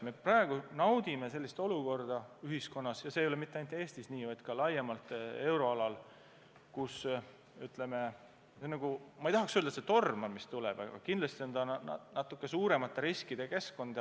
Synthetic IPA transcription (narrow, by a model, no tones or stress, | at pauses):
me̞prɑe̞ɡ̥unɑwd̪ime̞s̬e̞lʲːist̪o̞luko̞rd̪̥ɑyɦisko̞nːɑsjɑseːjole̞mit̪ːˑeɑjnt̪ˑeːst̪isniːvɑjd̪̥̚kɑlɑjemɑlt̪ˑe̞wɾo̞ɑlɑl | kus | yt̪ˑle̞me̞ | enːɑɡ̥umɑejt̪ɑɦɑksøld̪ɑset̪o̞rmmist̪ulɛ̰b̥ɑ̰ɡ̥ɑ̰kind̪lɑst̪io̞nd̪ɑnɑt̪ːˑukˑːe̞suːɾe̞mɑt̪ːˑeɾiskid̪e̞ke̞skˑo̞nd̪̥ɑ